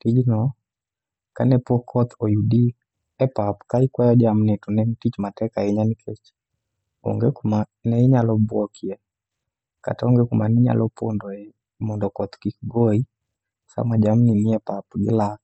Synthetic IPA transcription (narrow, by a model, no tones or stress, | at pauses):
tid͡ʒinɔ | ka̰nɛpɔkʰɔt̪ɔjudi | ɛpapu̥kaikwajɔd͡ʒam̩nɛtunɛmtit͡ʃimatɛkaiɲanikʰɛt͡ʃi̥ | ɔ̰ŋɡɛkuma | nɛiɲalɔbwɔkiɛ | ka̰taɔŋɡɛkumaniɲa̰lɔpɔndɔɛ | mɔndɔkɔt̪kikiɡɔi | sa̰mad͡ʒam̩niniɛpapuɡḭla